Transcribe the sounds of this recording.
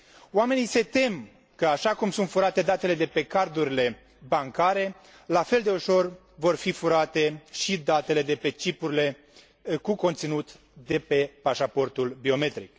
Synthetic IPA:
oame̞nise̞t̪e̞m | kəaʃakumsunt̪fuɾat̪e̞d̪at̪e̞le̞d̪e̞pe̞kard̪uɾile̞ | baŋkaɾe̞ | lafe̞ld̪e̞uʃo̞r | vo̞rfifuɾat̪e̞ʃid̪at̪e̞le̞d̪e̞pe̞t͡ʃipuɾile̞ | kuko̞nt̪sinut̪ | d̪e̞pe̞paʃapo̞rt̪ulbio̞me̞t̪ɾik

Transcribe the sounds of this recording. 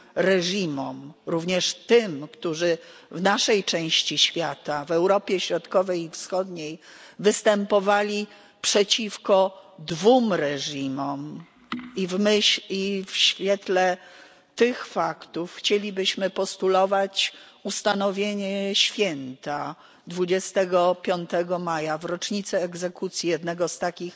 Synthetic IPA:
ɾɛʐimɔmɾuvɲɛʂt̪ɘmkt̪uʐɘvnaʂɛjt͡ʂɛ̃w̃ɕt͡ɕiɕfʲjat̪avɛwɾɔpʲjɛɕɾɔt̪kɔvɛjifsxɔd̪ɲejvɘst̪ɛmpɔvalʲi | pʂɛt͡ɕifkɔd̪vumɾɛʐimɔm | ivmɘɕifɕfʲjɛt̪lɛ | t̪ɪxfakt̪ufxt͡ɕelʲibɘɕmɘpɔst̪ulɔvat͡ɕ | ust̪anɔvʲjeɲɛɕfʲjɛnt̪a | d̪vud͡ʑɛst̪ɛɡɔpʲjɔnt̪ɛɡɔmajavɾɔt͡ʂɲit̪sɛːɡzɛkut̪sʲjijɛd̪nɛɡɔst̪akʲix

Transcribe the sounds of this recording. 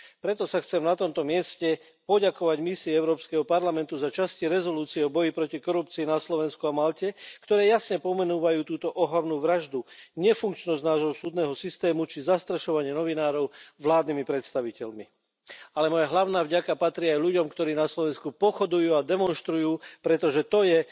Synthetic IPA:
pɾɛt̪ɔsaxt͡sɛmnat̪ɔmt̪ɔmɪɛscɛ | pɔɟakɔʋaɟmisiːɛʊɾɔːpskɛɦɔpaɾlamɛnt̪uzat͡ʃasciɾɛzɔluːt͡siɛɔbɔjipɾɔcikɔɾup̚t͡siːnaslɔʋɛnskuamalcɛkt̪ɔɾɛːjasɲɛpɔmɛnuːʋajuːt̪uːt̪ɔʔɔɦlaʋnuːʋɾaʒd̪uɲɛfuŋkt͡ʃnɔzɟnaːʒɦɔsuːd̪nɛːɦɔsist̪ɛːmut͡ʃizast̪ɾaʃɔʋaɲɪɛnɔʋinaːɾɔʊʋlaːd̪nimipɾɛt̪st̪aʋicɛʎmi | alɛmɔjaɦlaʊnaːvɟakapat̪ɾiːajʎuɟɔmkt̪ɔɾiːnaslɔʋɛnskupɔxɔd̪ujuːad̪ɛmɔnʃt̪ɾujuːpɾɛt̪ɔʒɛt̪ɔjɛ

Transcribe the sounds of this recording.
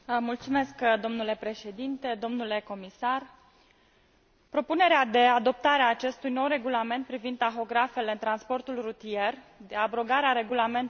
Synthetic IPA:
mult̪sume̞skd̪o̞mnule̞pɾe̞ʃe̞d̪int̪e̞d̪o̞mnule̞ko̞misar | pɾo̞pune̞ɾead̪e̞ad̪o̞p̚t̪aɾeaːt͡ʃe̞st̪ujno̞wre̞ɡulame̞nt̪̚pɾivind̪̚t̪axo̞ɡɾafe̞le̞ɨnt̪ɾanspo̞rt̪ulrut̪ije̞r | d̪eabɾo̞ɡaɾeaɾe̞ɡulame̞nt̪

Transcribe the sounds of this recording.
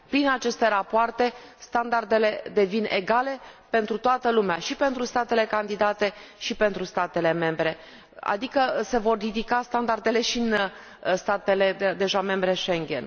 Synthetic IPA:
pɾinat͡ʃe̞st̪e̞ɾapoart̪e̞st̪and̪ard̪e̞le̞d̪e̞vine̞̰ɡale̞pe̞nt̪ɾut̪oat̪əlumeaʃipe̞nt̪ɾust̪at̪e̞le̞kand̪id̪at̪e̞ʃipe̞nt̪ɾust̪at̪e̞le̞me̞mbɾe̞ | a̰d̪ikəse̞vo̞rːid̪ikast̪and̪ard̪e̞le̞ʃin | st̪at̪e̞le̞d̪e̞ʒame̞mbɾe̞ʃeŋɡʲe̞̰n

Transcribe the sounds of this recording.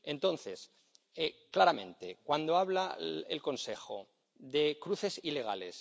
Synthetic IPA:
ẽ̞nt̪o̞nθe̞s | eklaɾamẽ̞̰nt̪e̞kwand̪oaβlaḛlko̞nse̞xo̰ | ðe̞kɾuθe̞sile̞ɣ̞a̰le̞̰s

